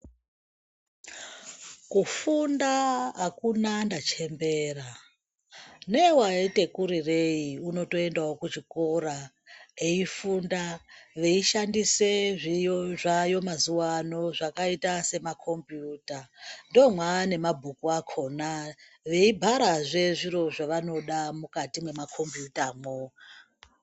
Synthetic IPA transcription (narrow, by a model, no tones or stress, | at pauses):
kufundaakunandat͡ʃe̞mbe̞ra | newaete̞kuɾire̞iuno̞to̞e̞ndaokut͡ʃiko̞ɾa | eifundaʋe̞iʃandise̞ʐiʐajo̞mazuwano̞ʐakaitase̞makʰo̞mpjuːtando̞mwane̞mabʱukuakʰo̞na | ʋe̞ibʱaɾaʐe̞ʐiɾo̞ʐaʋano̞ɗamukatimwe̞makʰo̞mpjutamoa